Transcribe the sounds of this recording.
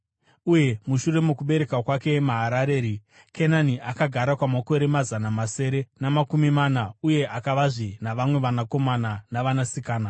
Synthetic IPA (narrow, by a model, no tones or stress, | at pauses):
uje̞muʃure̞mukuɓe̞ɾe̞kakwake̞maɦaɾaɾe̞ːɾi | kʰenaniakaɡʱaɾakwamako̞ɾe̞mazanamase̞ɾe̞namakumimanauje̞ʔakaʋaʐinaʋamwe̞ʋanako̞mananaʋanasikaːna